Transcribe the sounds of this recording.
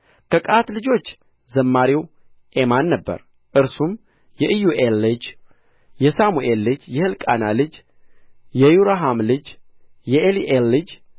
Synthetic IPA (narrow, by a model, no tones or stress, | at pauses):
kʰəkʼat̪lɨd͡ʒo̞t͡ʃː | zəmːaɾiw | ʔe̞manːəbːə̰ɾ | ʔɨɾsum | jɛʔɨjuʔelːɨd͡ʒ | jɛsamuʔelːɨd͡ʒjɛhɨlkʼa̰nalɨd͡ʒ | jɛjuɾaɦamlɨd͡ʒ | jɛʔeliʔelːɨd͡ʒ